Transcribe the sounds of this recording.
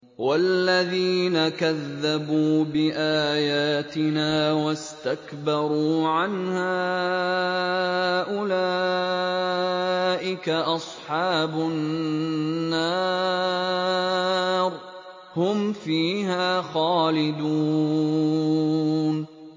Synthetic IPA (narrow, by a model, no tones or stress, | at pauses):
walːaðiːnakaðːabuːbɪʔaːjaːt̪ɪnaːwast̪akbɑɾˤuːʕanhaː | ʔʊlaː | ʔɪkaʔɑsˤħɑːbʊ | nːaː | ɾ | hʊmfiːɦaːxɑːlɪd̪u | n